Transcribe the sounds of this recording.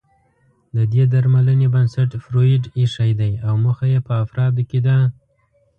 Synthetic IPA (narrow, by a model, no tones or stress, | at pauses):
d̪əd̪ed̪aɾmalənebansaʈfɾoɪɖiʂajd̪ajawməxajepəafɾɑd̪ked̪a